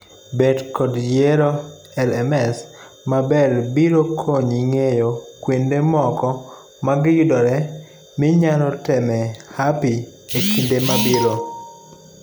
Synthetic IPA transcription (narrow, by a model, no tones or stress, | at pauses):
bedkɔdjeɾo | ɛlɛmɛs | mabɛɾbiɾokʰoɲiŋejokwendemɔkɔ | maɡjʊdɔɾɛ | mɪɲalɔtɛmɛhapi | ekʰindemabiɾo